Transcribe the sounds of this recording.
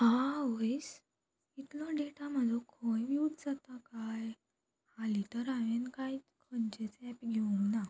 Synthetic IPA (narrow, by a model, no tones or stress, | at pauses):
ɦãɦojs | it̪lɔɖeʈaməd̪ʱɔkʰojʋiut̪d͡zat̪akaj | halit̪əɾaʋenkaj | kʰənt͡ɕet͡sɛpɡʱeuŋɡna